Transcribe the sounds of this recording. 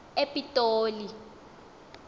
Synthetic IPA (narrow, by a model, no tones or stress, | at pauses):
epʼitʼoːli